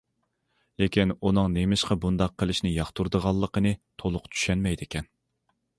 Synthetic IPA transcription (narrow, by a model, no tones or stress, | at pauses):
lekʲinunɨŋnemɪʃqɑbund̪ɑqʰːəlˠɪʃnɪjɑχt̪uɾd̪əʁɑlˠːəqənɨt̪ʰolˠʊqt͡ʃʰy̥ʃɛnmɛjd̪ɪkʲʰɛn